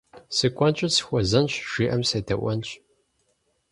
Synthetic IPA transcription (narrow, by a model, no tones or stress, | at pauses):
sɨkʷʰʼɐnt͡ʃʼɪsxʷɔzɐnɕʒ̥iːʔɐmseːdʰɐʔʷɔnt͡ʃʼ